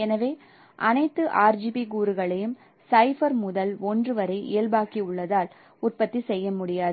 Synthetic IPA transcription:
ɛnɐʋeː | ʔɐnɐɪt̪ːɯʔaːɾd͡ʒibikuːɾɯɣɐɭɐjɯm | sɐɪfɐɾmʊðɐlɔndrɯʋɐɾɐɪʔɪːɐlbaːkiʊɭːɐðaːl | ʊʈ̚pɐt̪ːisɛjːɐmʊɽɪjaːðɯ

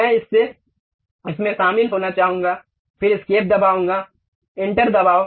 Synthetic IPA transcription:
ɛ̃ɪsːe | ɪsmẽsaːmiːlɦoːnat͡ʃaːɦũːŋɡaː | pʰɪɾɪskeːp̚d̪ɐbaːɦũːŋɡa | ɪ̃ɳʈəɾd̪ɐbaːo

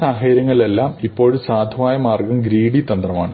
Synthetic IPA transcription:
aːɦeːɾjɐŋːɐɭile̞lːaːmipːo̞ːɻusaːd̪ʱɐʋaːjɐmaːrɡɐmɡɾiːɽit̪ɐnd̪rɐmaːɳɨ

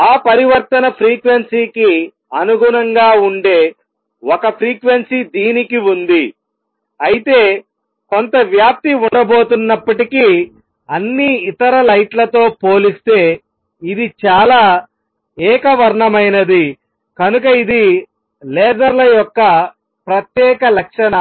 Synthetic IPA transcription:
aːpɐɾiʋɐɾt̪ɐnɐpʰɾiːkʋensiːki | ɐnuɡunɐŋɡaːuɳɖe̞ː | wɔkɐpʰɾiːkʋensid̪iːnikiund̪i | ɐjit̪e̞ː | kont̪ɐʋjaːp̚t̪iuɳɖɐbo̞ːt̪unːɐpːɐʈiki | ɐnːiːt̪ɐɾɐlɐjʈlɐt̪o̞ːpo̞ːlist̪e̞ː | id̪it͡ʃaːlaː | ɛːkɐʋɐɾɳɐmɐjnɐd̪i | kɐnuk̬ɐid̪i | lɛːd͡ʒɐɾlɐjɔkːɐ | pɾɐt̪jɛːkɐlɐkʂɐnɐ

